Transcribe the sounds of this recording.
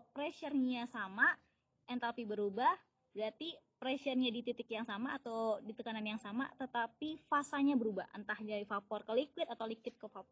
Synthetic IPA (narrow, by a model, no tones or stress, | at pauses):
pɾɛʃərɲasama | ɛnt̪apibəɾubah | ɾat̪ipɾɛʃərɲadit̪it̪ɪkjaŋsamaːt̪awdit̪əkananjaŋsama̰t̪ət̪apifasaɲabəɾuba̰hʔə̰nt̪ahd͡ʒaɾifapɔrkəlikwɪt̪at̪awlikwɪt̪̚kəfapɔ